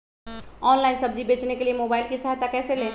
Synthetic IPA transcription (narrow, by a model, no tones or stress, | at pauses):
ɔːnlaːɪnsɐb̚d͡ʒibeːt͡ʃnekeliemoːbaːɪlkisɐɦjt̪akɛːselẽː